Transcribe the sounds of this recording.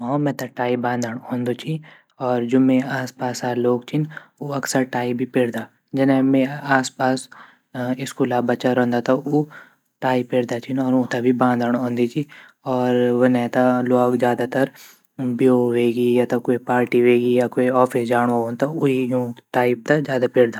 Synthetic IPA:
ɔːmɛ̃t̪aʈaːibãːnd̪aɽ̃õːnd̪ot͡ʃʰi | ɔːɾd͡ʒʊmẽaːspaːsaːloːɡt͡ʃʰɪnoɐksəɾʈaːibʱipeːɾd̪a | d͡ʒɪnɛ̃mẽaːspaːs | ɪskuːlaːbɐtːt͡ʃaɾɐ̃nd̪at̪ʰau | ʈaːipeːɾd̪at͡ʃʰɪnɔːɾõːt̪abʱibãːnd̪əɳ̃ɦõːnd̪et͡ʃʰi | ɔːɾʋɐnɛt̪aloaːɡd͡ʒjaːd̪at̪ɐɾ | bioːʋeːɡijat̪akoːipaːɾʈiʋeːɡijakoːiɔːpʰɪsd͡ʒaːɽ̃ʋaõːnt̪aʊijũʈaːɪb̚t̪ad͡ʒjaːd̪apeːɾd̪aː

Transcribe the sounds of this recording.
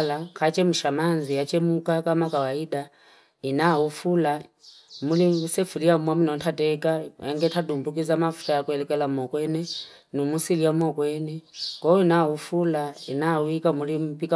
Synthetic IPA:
lakʰat͡ʃɛmuʃamanzijat͡ʃɛmukakamakawaida | inaufula | muliusɛfuliamwamunɔntʰatɛkaaŋɡɛtʰadumbuk̬izamafu̥tajakwɛlɛkɛlamɔkwɛnɛ | numusiliamɔkwɛnɛkɔinaufulaḭnauikamulim̩pika

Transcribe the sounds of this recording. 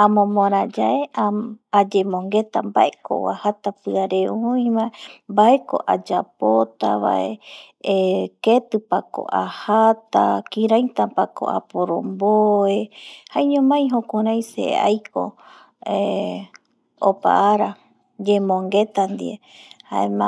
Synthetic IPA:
amõmõɾad͡ʒaʔeaad͡ʒemõŋɡe̞t̪ambaʔekʰo̰wahat̪apɨaɾeuj̃βaembaʔe̞ko̞̰ʔad͡ʒapot̪a̰βa̰ʔe | ket̪ɨpako̰ʔahat̪a̰kĩɾãj̃t̪apako̰a̰poɾomboehajɲõmãj̃ɦokʷaɾãjsḛa̰jkʰo̰ | e | opa̰ʔaɾa | d͡ʒemõŋɡe̞t̪and̪ḭe | haẽma

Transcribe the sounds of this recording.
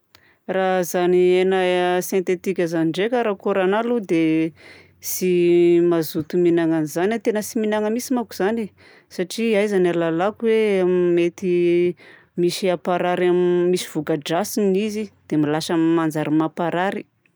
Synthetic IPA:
razanienasẽnt̪et̪ikʲəzaniɳɖ͡ʐekəɾakoɾanalud̪e | simazut̪uminaŋanizanat̪enəsiminaŋəmisimakuz̥ani | saʈ͡ʂiajzanalalakuwemet̪i | misiapaɾaɾammːisiv̥uɡaɖ͡ʐasinizid̪̥emilaʃəmand͡zaɾimapaɾaɾi

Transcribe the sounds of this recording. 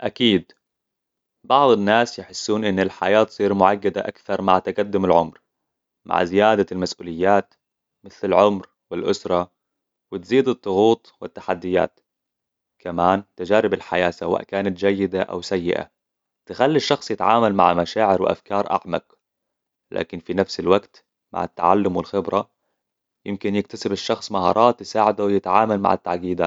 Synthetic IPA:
ʔakiːd̪ | bɑʕd̪ˤɪnːaːsjɪħɪsːuːnʔɪnːɪlħa̰jaːt̪sˤiːɾmʊʕaɡːad̪aʔa̰kθɑɾˤmaʕt̪aɡad̪ːʊmɪlʕʊmɾ | mʔa̰ʕzɪjaːd̪almasʔuːlɪjːaːt̪ | mɪθlalʕʊmɾ | wɪlʔʊsɾˤɑ | wɪt̪ziːd̪ɨd̪ˤːʊɣuːt̪ˤwɪt̪ːḁħad̪ːɪja̰ːt̪ | kamaːnt̪ɪd͡ʒaːɾɪbɪlħajaːsawa̰ːʔkaːnat̪̚d͡ʒajːɪd̪aʔa̰wsajːɪ̰ʔa̰ | t̪ɪxalːiʃːɑxsˤjɪt̪ʕaːmalmaʕmaʃaːʕɪɾwɪ̰ʔa̰fkɑːɾˤʔa̰ʕma̰k | lʔa̰ːkɪnfinafsɪlwaɡt̪ | ma̰ʕa̰t̪ːa̰ʕa̰lːʊmwɪlxɪbɾˤɑ | jɪmkɪnjɪk̚t̪asɪbɪʃːɑxsˤmahɑ̰ːɾˤɑːt̪jɪsaːʕɪd̪awjɪt̪ʕaːmalma̰ʕat̪ːa̰ʕɡiːd̪a̰ː

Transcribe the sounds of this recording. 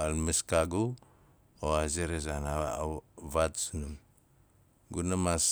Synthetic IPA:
almiskaɡu | oazeɾezana | vatsunum | ɡunamas

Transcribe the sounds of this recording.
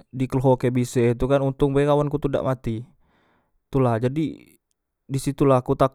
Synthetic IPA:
diklɦokebisɛit̪̬ukanunt̪ʊŋbajkawankut̪uda̰ʔmat̪i | t̪ulahd͡ʒadi | disit̪ulakut̪ak

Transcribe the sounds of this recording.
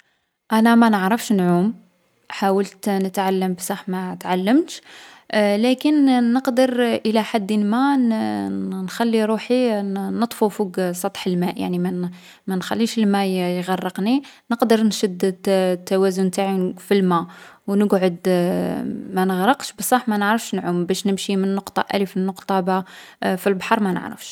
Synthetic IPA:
ʔænæmænəʕɾˤəfʃnʕum | ħawəlt̪nət̪ʕalːəmbsˤɑħmæt̪ʕalːəmt̪ʃ | lækənːəqd̪əɾˤʔəlæħad̪ːənmæ | nxælːiɾˤuħinət̪ˤfufuɡsˤɑt̪ˤħəlmæʔja̰ʕnimæ | mænxælːiʃəlmæjjɣɑrˤːəqninəqd̪əɾˤnʃəd̪ːət̪ːæwæzʊnt̪aʕifilmæwnəɡʕʊd̪ | mænəɣɾəqʃbəsˤːɑħmænəʕɾəfʃnʕʊmbæʃnəmʃimənːʊqt̪ˤɑ̰ʔæ̰ləfnːʊqt̪ˤɑbæ | filbɑħɑɾˤmænə̰ʕɾə̰fʃ

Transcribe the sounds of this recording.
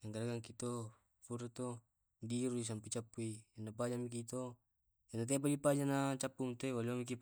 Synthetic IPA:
jaŋɡaɾaɡaŋkit̪o | fuɾat̪o | ɡiɾuis̬ampit͡ʃapːuianːapad͡ʒamik̬it̪o | janat̪̬ep̬adipad͡ʒanat͡ʃapːuŋt̪oiwaliomik̬i

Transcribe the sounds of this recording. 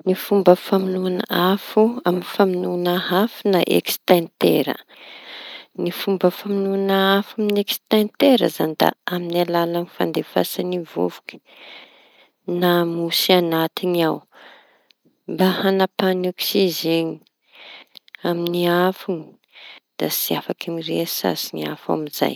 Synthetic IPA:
nifumbəfaminuanə̰afuaminifaminunahafunaʔḛkst̪ant̪ḛɾə̰ | nifumbəfaminuanəafaminekst̪ant̪eɾə̰za̰nd̪a̰aminalalanifa̰nd̪efa̰sanivṵv̥uki̥ | namusianat̪iniaw | mbahanapanoksizeni̥ | aminiafuni̥ | d̪̥asiafakamiresa̰ziniafa̰miza̰j

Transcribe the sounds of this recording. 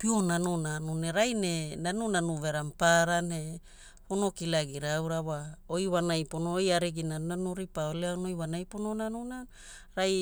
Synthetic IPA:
pionanunanuneɾajnenanunanuveɾampaɾane | ponokilaɡiɾawɾawaojwanajponojaɾeɡinannanuɾipaoleawnojwanajpononanuna | ɾaj

